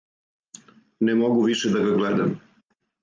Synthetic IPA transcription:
nɛmoɡuʋiʃɛd̪aɡaɡled̪am

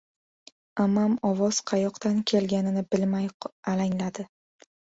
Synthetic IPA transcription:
amamɒvɒz̥qʰɑjɒqt̪ankʲʰe̞lɡʲanɪnɪbɪlmajalaŋlad̪ɪ

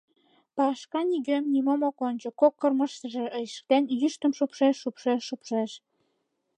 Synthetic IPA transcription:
pɑʃkɑniɣømnimomokond͡ʑŏkokːərməʃt̪ə̆ʒĕʔəjʃk̚t̪enjyʃt̪ə̆mʃupʃeʃːupʃeʃːupʃeʃ

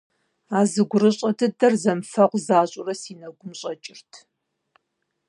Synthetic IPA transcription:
aːzɨɡʷʊɾɨɕʼɐdɨdɐrzɐmfɐʁʷzaːɕʷʼʊrɐsiːnɐɡʷʊmɕʼɐt͡ʃʼɪrtʰ

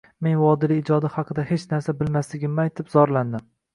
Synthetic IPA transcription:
me̞nwɒd̪ɪlɪːd͡ʒɒd̪ɪhɑqʰɨd̪ahe̞t͡ʃnaɾsabɪlmaslɪɡʲɪmajt̪ʰɪpz̥ɒɾland̪ɪm

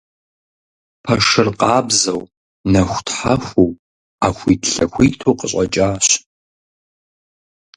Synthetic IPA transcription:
pʰɐʂɨrqʼɑːbzɐw | nɐxʷtħaxʷow | aːxʷiːtɬɐxʷiːtʰoːqəɕʼɐt͡ʃʼaːɕ

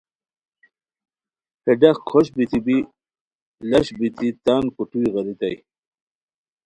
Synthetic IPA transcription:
heɖɐχkʰoɕbit̪ibi | lɐɕbit̪it̪aːnkuʈuiɣɐɾit̪aj

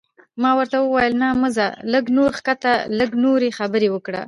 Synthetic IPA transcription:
mɑwəɾt̪awəwajəlnaməzaləɡnoɾxkat̪aləɡnoɾexabəɾewəkɽa̰

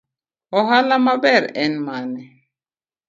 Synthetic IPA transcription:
ɔɦalamabɛɾɛnmanɛ

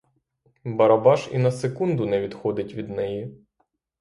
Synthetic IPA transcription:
bɐɾɐbɑʒinɐsekund̪ʊnɛʋʲid̪xɔd̪ɪtʲʋʲid̪nɛji

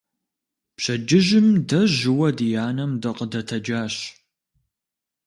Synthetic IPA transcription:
pɕɐd͡ʒɪʒɪmdɐʑɪwɐdijaːnɐmdɐqʼədɐtʰɐd͡ʒaːɕ

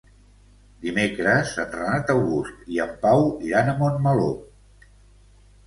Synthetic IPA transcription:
d̪imekɾəzənrənat̪əwɣust̪iəmpawiɾanəmonməlo

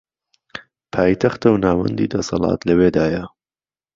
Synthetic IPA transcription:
pʰaːjt̪ʰɐxt̪ɐwnaːwɐ̰nd̪iːd̪ɐsɑlˠɑ̰ːt̪lɐweːd̪aːjɐ

